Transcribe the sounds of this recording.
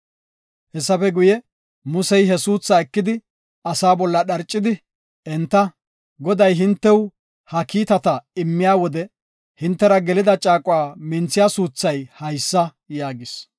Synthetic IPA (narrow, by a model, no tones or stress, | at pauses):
hɛsːɐfɛɡʊjɛ | mʊsɛjɦɛsuːt͡sːɐɛkːɪd̪ɪ | ɐsaːbɔlːɐɗɐɾt͡ʃʼːɪd̪ɪ | ʔɛnt̪ːɐ | ɡɔd̪ɐjɦɪnt̪ːɛw | hɐkiːt̪ɐt̪ɐɪmːɪjaːwɔd̪ɛ | hɪnt̪ːɛɾɐɡɛlɪd̪ɐt͡ʃʼaːkʼʊwaːmɪnt͡sːɪjaːsuːt͡sːɐjhɐjsːɐ | jaːɡɪs